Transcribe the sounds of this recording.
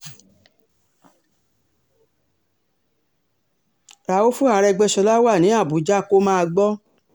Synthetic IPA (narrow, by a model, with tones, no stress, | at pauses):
ɾa˨wo˦fu˦a˨ɾɛ˧ɡ͡bɛ˧ʃɔ˧la˦wa˦˨nĩ˨˦a˦˨bu˨d͡ʒa˦˨ko˦mãː˦˧ɡ͡bɔ˦